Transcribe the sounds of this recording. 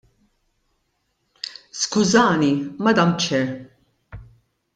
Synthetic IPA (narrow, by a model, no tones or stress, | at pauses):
skʊzɐːnimɐd̪ɐmt͡ʃɛɾ